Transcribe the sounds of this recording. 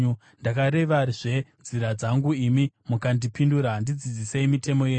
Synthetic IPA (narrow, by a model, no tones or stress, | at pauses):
ndakaɾe̞ʋaiʐe̞nziɾad͡zaŋɡuimi | mukandipinduɾandid͡zid͡ziseimitʰe̞mo̞je